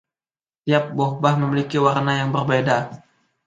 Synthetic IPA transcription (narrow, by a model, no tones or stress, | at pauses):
t̪iap̚bɔhbahməmilikiwarnajaŋbərbeda